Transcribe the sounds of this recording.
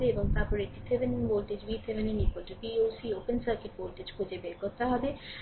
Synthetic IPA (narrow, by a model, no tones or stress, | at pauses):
beeboŋt̪aɾpɔɾek̚ʈisebeninbolʈed͡ʑbit̪ʰebeninipolʈebioːsioːpənsɐɾkeʈ̚bolʈed͡ʑkʰod͡ʑebeɾkoɾt̪eɦɔbe